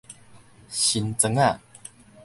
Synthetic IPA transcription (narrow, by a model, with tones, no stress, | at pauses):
ɕi˨˦nt͡sə˧ŋa˥˨